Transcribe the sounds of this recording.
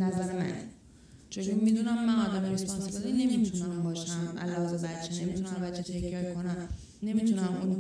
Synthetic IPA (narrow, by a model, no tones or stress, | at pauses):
næzæɾemæ̰n | t͡ʃʰe̞ɡuɾmid̪unæmːænɒːd̪æmɾespɒnsebed̪ine̞mit̪ʰunæmbɒːʃæmʔæ̰lɒːzebæt̪t͡ʃʰene̞mit̪ʰunæmbæt̪t͡ʃʰet̪ʰecʰbeekʰo̞næm | ne̞mit̪ʰunæmun